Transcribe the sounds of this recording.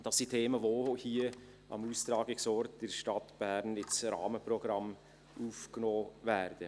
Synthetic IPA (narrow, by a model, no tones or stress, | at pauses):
d̥ɑsːitʰeːməvohiə | ʔɑ̰muːst̪ɾɑːɡɪksɔɾt̚d̥ɛɾʃtɑtb̥æːɾnɪsɾɑ̰ːməprɔɡ̥ɾɑm | ʔuːfknoːvæɾd̥ə